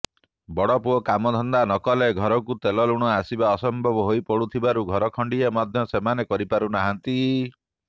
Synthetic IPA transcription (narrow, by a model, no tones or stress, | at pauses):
bɔɽɔpuɔkamɔd̪ʱɔnd̪anɔkɔleɡʱɔɾɔkut̪elɔluɽ̃ɔasibaɔsɔmbʱɔbɔɦojpɔɽut̪ʰibaɾuɡʱɔɾɔkʰɔɳɖiemɔd̪ʱjɔsemanekɔɾipaɾunaɦant̪i